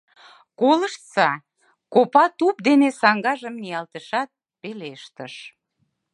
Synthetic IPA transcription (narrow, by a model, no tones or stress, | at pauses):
koləʃt͡sɑ | kopɑt̪up̚d̪enesɑŋɡɑʒəmnijɑlt̪əʃɑt̪̚ | peleʃt̪əʃ